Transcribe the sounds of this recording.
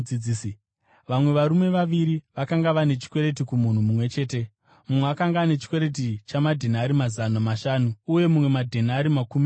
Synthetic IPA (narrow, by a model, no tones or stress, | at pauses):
id͡zis | ʋamwe̞ʋaɾume̞ʋaʋiɾiʋakaŋɡaʋane̞t͡ʃi̥kwe̞ɾe̞t̬ikumun̤umumwe̞t͡ʃe̞ːte̞ | mumweakaŋɡaːne̞t͡ʃi̥kwe̞ɾe̞t̬it͡ʃamadʱenaɾimazanamaʃaːnuːje̞mumwe̞madʱenaɾimakumi